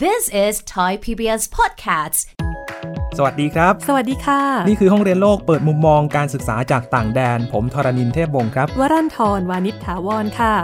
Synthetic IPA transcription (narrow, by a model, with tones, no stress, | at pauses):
ðɪsɪz̥tʰaɪpʰibiɛspʰɔd̚kʰast | sa˧wa˨˩t̪̚diː˧kʰɾa˦˥p̚sa˧wa˨˩diː˧kʰaː˧˥˩niː˥˩kʰɯː˧ɦɔ˥˩ŋɾi˧ənloː˥˩k̚pɤː˨˩t̪̚mu˧mːɔː˧ŋkaː˧nsɯ˨˩k̚saː˩˦t͡ɕaː˨˩k̚t̪aː˨˩ŋdɛː˧npʰo˩˦mt̪ʰɔː˧ɾa˧ni˧nt̪ʰeː˥˩p̚wo˧ŋkʰɾa˦˥p̚waː˦˥ɾa˥˩nt̪ʰɔː˧nwaː˧ni˦˥t̪ʰːaː˩˦wɔː˧nkʰa˥˩